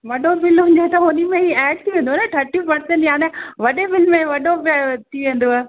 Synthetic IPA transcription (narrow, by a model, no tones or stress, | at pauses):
ʋɐɗofɪlɦʊ̃ɲd͡ʑet̪ɐɦʊnimẽɦiɛːɖ̚t̪ʰiʋẽːnd̪oːnɐʈ̪ʰɐɾʈipɐɾsə̃ɳʈjaːnɛʋɐɗefɪlmẽʋɐɗobt̪ʰiʋẽːnd̪oɛː